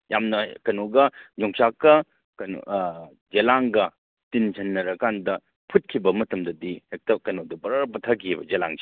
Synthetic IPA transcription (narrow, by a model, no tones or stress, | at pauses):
jamnɐkɐnoɡɐɲɔŋsakːɐ | kɐn̰ | d͡ʒelaŋɡɐ | tint͡ʃʰɐnːɐɾɐkandɐ | pʰut̚kʰibɐmɐtɐmdɐdihek̚tɐkɐnodɐbɐɾɐɾpɐtʰakibɐ̰d͡ʒela̰ŋsi̥